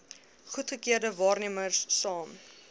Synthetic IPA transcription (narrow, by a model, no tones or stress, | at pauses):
χutχəkiərdəvɑːrniəmərsːɑːm